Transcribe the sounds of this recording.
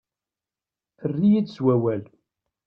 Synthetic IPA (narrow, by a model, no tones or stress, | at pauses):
θərːijidswæwæl